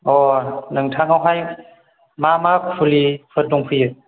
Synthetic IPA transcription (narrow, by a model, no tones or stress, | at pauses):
ɔnɯŋtʰaŋawɦaj | mamakfʰulipʰɯt̚nuŋpʰɯjɯ